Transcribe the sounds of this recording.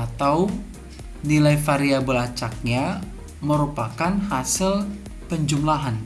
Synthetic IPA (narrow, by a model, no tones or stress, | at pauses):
at̪aw | nilajfaɾiabəlat͡ʃak̚ɲa | məɾupakanhasɪl | pəɲd͡ʒumlaɦan